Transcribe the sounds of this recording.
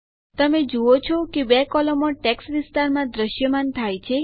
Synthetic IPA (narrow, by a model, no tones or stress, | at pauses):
t̪əmed͡ʒoot͡ʃʰɔkebɛkɔlɔmɔ̃ʈɛksʋist̪aɾmãd̪ɾəʃjəmant̪ʰajt͡ʃʰe